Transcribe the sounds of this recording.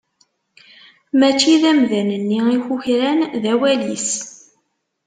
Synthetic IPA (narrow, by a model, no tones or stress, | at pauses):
mæt͡ʃːiðæmðænənːiiçuçɾænðæwælis